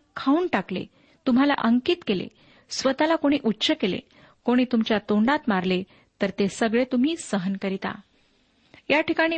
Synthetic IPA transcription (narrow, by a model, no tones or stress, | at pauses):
kʰauːnʈaklḛ | t̪um̤ala̰ʔəŋkiːt̪kelḛ | sʋət̪alakoɽ̃iːʔutːɕəkelḛ | koɽ̃iːt̪umt͡ɕjat̪oɳɖat̪maɾle | t̪əɾt̪esəɡɭet̪um̤iːsəɦənkəɾit̪a̰ | jaʈikaɽ̃iː